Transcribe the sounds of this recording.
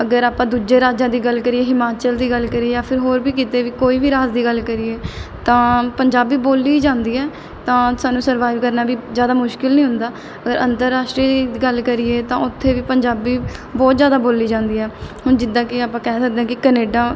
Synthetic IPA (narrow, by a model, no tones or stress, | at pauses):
əɡəɾaːpãːd̪uːd͡ʒeːɾaːd͡ʒãːd̪iːɡəlkəɾiːeːɦɪmaːt͡ʃəld̪iːɡəlkəɾieːjaːpʰɪɾɦoːɾbiːk̬iːt̪eːʋiːkoːiːʋiːɾaːd͡ʒd̪iːɡəlkəɾiːeːt̪ãːpəɲd͡ʒaːbiːboːliːd͡ʒãːnd̪iːɛː | t̪ãːsaːnːũːsəɾʋaːɪʋkəɾnaːbiːzjaːd̪aːmʊʃkɪlnĩːɦʊnd̪aː | əɡəɾənt̪əɾːaːʃʈɾiːd̪iːɡəlkəɾieːt̪ãːʊt̪ʰːeːʋiːpəɲd͡ʒaːbiːbɔːt̪zjaːd̪aːboːlːiːd͡ʒãːnd̪iːɛːhʊnd͡ʒɪd̪ãːkɪaːpãːkɛːsək̚d̪ẽɛ̃ːkɪkəneːɖãː